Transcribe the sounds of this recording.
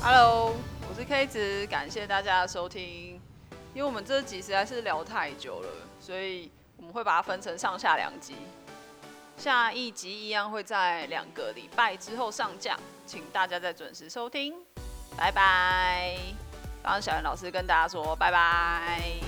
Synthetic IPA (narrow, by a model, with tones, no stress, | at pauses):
ha̰˧˥lo˧˦ʊwɔ˨˩ʂɻ̩˥˩kʰa˥i˥˩t͡s̩ʰ˨˩˦ka˨˩nɕjɛ˥˧t̪a˥˩t͡ɕja˦ʂo˥ʊt̪ʰi˦ŋ | i˥nwe˥˩˨wɔ˨mə˦nʈ͡ʂɤ˥˩t͡ɕi˨˩ʂɻ̩˧˥a˧˥ɪʂɻ̩˥˩ljɑ˧˥ʊt̪ʰa˥˩ɪt͡ɕjo̰˨˩ʊlə̰˩swɔ˧˥i˨˩ | wɔ˨mə˦nxwe˥˩ɪpa˨˩t̪ʰa˦fə˦˥nʈ͡ʂʰɤ˧˥ŋʂɑ˥˧ŋɕja̰˥˩ljɑ̰˨˩ŋt͡ɕi˧˦˥ | ɕja˥˧i˥˩t͡ɕi˧˥i˧˥jɑ˥˧ŋxwe˥˧ɪt͡sa˥˩ɪljɑ̰˨˩ŋɡə˨˦lḭ˨˩pa˥˩ɪʈ͡ʂɻ̩˦xo˥˧ʊʂɑ˥˧ŋt͡ɕjɑ̰˥˨ŋ | t͡ɕʰi˨˩ŋt̪a˥˩t͡ɕja˥t͡sa˥˩ɪt͡swə̰˨˩nʂɻ̩˧˥ʂo˥ʊt̪ʰi˦˥ŋpa˧˥ɪpa˧˦ɪ | fɑ̰˥˧˩ɕɑ˨˩ɻə˧˦nlɑ˨˩ʂɻ̩˥kə˧˦nt̪a˥˧˩t͡ɕja˥ʂwɔ˥pa˧˥ɪbaɪ